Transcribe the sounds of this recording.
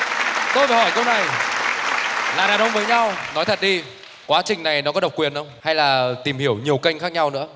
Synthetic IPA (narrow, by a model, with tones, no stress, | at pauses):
t̪o˧jvaː˨˩hɔ˧˩jkə˧wna˨˩j | laː˨˩ɗaː˨˩ɗə˧wŋ͡mvəː˨˦jɲa˧wnɔ˨˦jt̪ʰə˨˩ɗi˧ | kwaː˨˦t͡ɕï˨˩ŋ̟na˨˩jnɔ˨˦kɔ˨˦ɗə˨˩wk͡p̚kwi˨˩ənʔə˧wŋ͡mha˧jlaː˨˩t̪i˨˩mhi˧˩əwɲi˨˩əwkə˧jŋ̟xaː˦˥k̚ɲa˧wnɨ̰˧˥ə